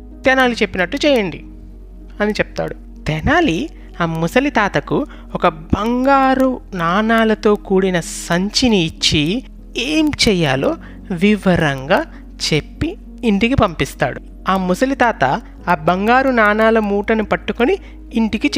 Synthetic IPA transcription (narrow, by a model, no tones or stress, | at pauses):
t̪ɛnaːlit͡ʃepːinɐʈːut͡ʃɛːjɐɳɖi | ɐnit͡ʃɛp̚t̪a̰ːɽu | t̪ɛnaːli | aːmusɐlit̪aːt̪ɐku | ɔkɐbɐŋɡaːɾunaːnaːlɐt̪o̞ːkuːɽinɐsɐɲt͡ʃiniːt͡ʃːi | eːmt͡ʃɛːja̰ːlo̞ː | ʋiʋɐɾɐŋɡaː | t͡ʃepːiː | ɳʈikipɐmpist̪a̰ːɽu | aːmusɐlit̪aːt̪ɐ | aːbɐŋɡaːɾunaːnaːlɐmuːʈɐnupɐʈːukoniː | ɳʈikit͡ʃ